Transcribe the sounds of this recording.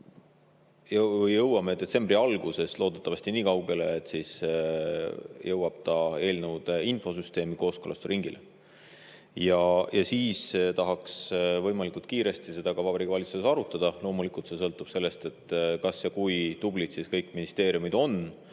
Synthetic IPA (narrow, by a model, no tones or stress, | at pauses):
jvjːɤwːɑme̞d̪e̞t̪se̞mbriɑlɡ̥use̞slo̞ːd̪̥et̪ːˑɑvɑst̪iniːkɑwɡe̞le̞ːt̪ːˑsis | jɤwɑb̥̚t̪ɑe̞ːlnewd̪̥info̞syst̪e̞ːmiko̞ːskolɑst̪ɾiŋɡ̥ile | jɑjʔɑsiːst̪ɑɦɑksvɤ̞jmɑlikult̪̚kiːɾe̞st̪ise̞d̪̥ɑɡ̥ɑvɑbɾikvɑlʲit̪suesɑɾut̪ːˑɑd̪̥ɑlo̞ːmulikˑult̪se̞sɤ̞lt̪ːˑub̥se̞lːe̞st̪e̞t̪ːˑkɑsjɑkujd̪̥ub̥lid̪̥siskɤjkːˑminist̪e̞ːɾiumid̪̥o̞n